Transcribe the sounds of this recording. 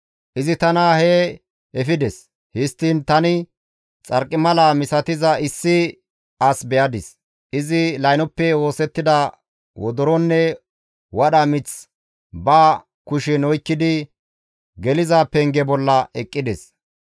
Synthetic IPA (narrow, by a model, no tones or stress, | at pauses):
ʔɪzɪt̪ɐnaheː | ɛfɪd̪ɛs | hɪst̪ːiːnt̪ɐnɪ | t͡sʼɐɾkʼːɪmɐlaːmɪsɐt̪ɪzɐʔɪsːɪ | ɐsbɛjɐd̪ɪs | ʔɪzɪlɐjnɔpːɛwo̞ːsɛt̪ːɪd̪ɐ | wɔ̰d̪ɔɾɔnːɛ | wɐɗɐmɪt͡s | baː | kʊʃɛnɔjkːɪd̪ɪ | ɡɛlɪzaːpːɛŋɡɛbɔlːɐɛkʼːɪd̪ɛs